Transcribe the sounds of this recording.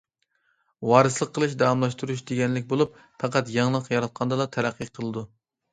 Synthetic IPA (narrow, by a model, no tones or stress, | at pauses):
wɑːɾɨslˠəqʰːəlˠɨʃ̬d̪ɑwɑmlˠɑʃt̪uɾuʃ̬d̪eɡʲɛnlɪk̚ʲbolˠup | fɑqæt̪jɑŋlˠəqjɑɾɑt̪̚qʰɑnd̪ɑd̪ɑt̪ʰɛɾæqʰːɨqʰəlˠɨd̪u